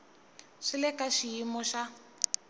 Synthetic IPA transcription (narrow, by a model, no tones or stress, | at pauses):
ʂilɛkaʃijimɔʃa